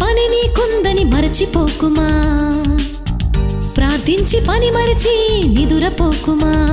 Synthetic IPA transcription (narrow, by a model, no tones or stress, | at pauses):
pɐninikund̪ɐnimɐɾt͡ʃʰipoːkumaː | pɾaːd̪ʱint͡ʃipɐnimɐɾt͡ʃʰinid̪uɾɐpoːkumaː